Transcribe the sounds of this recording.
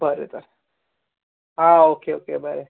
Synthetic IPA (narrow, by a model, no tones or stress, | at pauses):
bʱəɾḛt̪əɾ | aokeokebʱəɾe